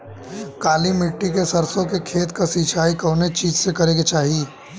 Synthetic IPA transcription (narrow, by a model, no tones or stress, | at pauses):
kaːlimɪʈːikesɐɾsõkekʰeːt̪kasiːt͡ʃʰaːikɐːnet͡ʃiːd͡ʒsekɐɾẽɡet͡ʃaːɦi